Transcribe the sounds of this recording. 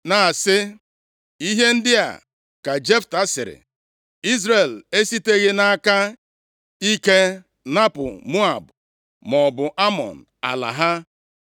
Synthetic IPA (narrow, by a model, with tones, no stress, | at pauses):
na˨sɪ˦ | i˦ɦe˦n̩˦dɪ˦a̰˨ | ka˨d͡ʒe˦fta˦sɪ˨ɾɪ̰˨ | i˦zɾe˨le˦si˦te˦ɣɪ˦na˦ka˦ | i˦ke˦ | na˦pʊ̰˨mu˦a˨b | mɔ˨bʊ˨ʔa˦mɔ̰˨n̩˨a̰˨la̰˨ɦa˦